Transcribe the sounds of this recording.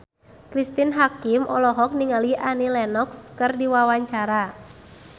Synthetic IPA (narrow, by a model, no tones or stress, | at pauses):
kɾist̪inɦakimʔɔlɔɦɔk̚niŋaliʔanilɛnɔkskɨrdiwawaɲt͡ʃaɾa